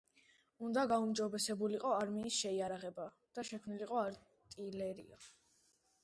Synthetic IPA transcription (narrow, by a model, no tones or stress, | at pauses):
und̪aɡaumd͡ʒɔbɛsɛbuliqʼɔaɾmiːsʃɛiaɾaʁɛba | d̪̥aʃɛkʰmniliqʼɔaɾ | t̪ʼilɛɾḭa